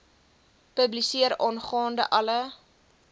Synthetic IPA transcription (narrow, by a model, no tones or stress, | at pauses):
pəblisiəɾɔnχɑːndə̰ʔɐlə